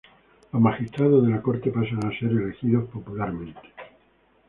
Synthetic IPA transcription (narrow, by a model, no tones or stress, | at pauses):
lomaxist̪ɾaðozðelako̞ɾt̪e̞pas̬aŋase̞ɾelexiðospo̞pulaɾmẽnt̪e̥